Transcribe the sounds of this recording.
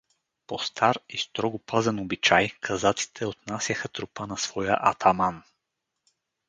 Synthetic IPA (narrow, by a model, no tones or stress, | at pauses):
post̪ʰaɾist̪ɾɔɡopʰazɛnobit͡ʃajkʰɐzat̪si̥t̪ʰɛot̪nasjəxət̪ɾʊpənɐsv̥ɔjə̰ʔɐt̪ʰaman